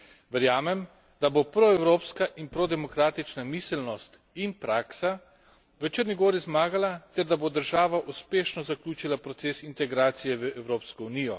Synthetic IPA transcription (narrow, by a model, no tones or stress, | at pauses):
ʋəɾjaːmɛm | d̪abopɾɔɛwɾoːpskaʔinpɾɔd̪ɛmɔkɾaːt̪it͡ʃnamisɛlnɔst̪ | inpɾaːksa | ʋət͡ʃəɾnʲiɡoːɾizmaːɡalat̪ɛɾd̪abod̪əɾʒaːʋaʔuspeːʃnɔzaklʲuːt͡ʃilapɾɔt̪seːsint̪ɛɡɾaːt̪sijɛʋəʔɛwɾoːpskɔunijɔ̰